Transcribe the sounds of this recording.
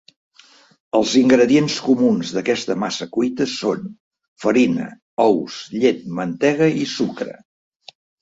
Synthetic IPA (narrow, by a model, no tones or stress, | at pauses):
əlˠziŋɡɾəðienskumunzðəkɛst̪əmasəkujt̪əson | fəɾinə̰ | ɔwsʎet̪̚mənt̪ɛɣ̞əisukɾə̰